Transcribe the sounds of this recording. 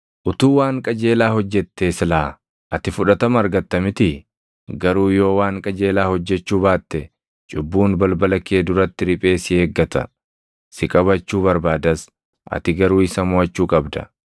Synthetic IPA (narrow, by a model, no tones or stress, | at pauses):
ʔʊt̪uːwaːŋkʼɐd͡ʒe̞ːlaːhɔd͡ʒːɛt̪ːeːsɪlaː | ʔɐt̪ɪfʊᶑɐt̪ɐmɐɾɡɐt̪ːɐmɪt̪ɪ | ɡɐɾuːjo̞ːwaːŋkʼɐd͡ʒe̞ːlaːhɔd͡ʒːɛt͡ʃːuːbaːt̪ːɛ | t͡ʃʼʊbːuːnbɐlbɐlɐkːe̞ːd̪ʊɾɐt̪ːɪɾɪpʼe̞ːsɪeːɡːɐt̪ɐ̰ | sɪkʼɐβɐt͡ʃːuːbɐɾbaːd̪ɐs | ʔɐ̰t̪ɪɡɐɾuːɪsɐmʊɐt͡ʃːuːkʼɐbd̪ɐ̰